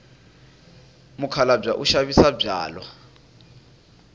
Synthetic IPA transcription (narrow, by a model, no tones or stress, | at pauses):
mukʰalab͡ʐaʔuʃaβisabb͡ʐa̰ːlwa